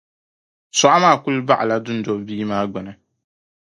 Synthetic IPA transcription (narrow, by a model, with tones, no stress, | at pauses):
sɔ˨ʔa˦maː˦˨kʊ˦lba˦ʔa̰˨la˦dʊ˦n˦dɔ˦bbiː˦maː˦ɡ͡bɛ˨nɨ˨